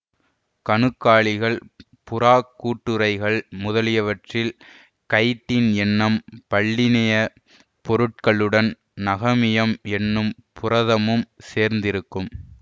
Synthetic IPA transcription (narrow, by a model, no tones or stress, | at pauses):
kɐnɯkːaːɭɪɣɐɭ | pʊɾaːkːuːʈːɯɾɐɪɣɐɭmʊðɐlɪjɐʋɐʈrɪl | kɐɪʈːɪnɛnːɐmpɐɭːɪnɐjɐ | pɔɾɯʈ̚kɐɭɯɽɐn | nɐɣɐmɪjɐmɛnːɯmpʊrɐðɐmɯmseːɾnd̪ɪɾɯkːɯm